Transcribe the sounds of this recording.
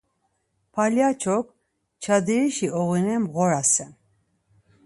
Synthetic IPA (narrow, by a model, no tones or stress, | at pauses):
pʰaljat͡ʃʰɔk | t͡ʃʰad̪iɾiʃiɔɣinɛmʁɔɾasɛn